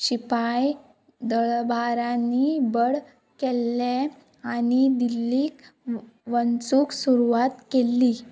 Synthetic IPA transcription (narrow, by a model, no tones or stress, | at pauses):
ɕipaj | d̪əɭbʱaɾanibəɽ | kɛlːe | anid̪ilːiːk | ʋənt͡suːksuɾuʋat̪kelːi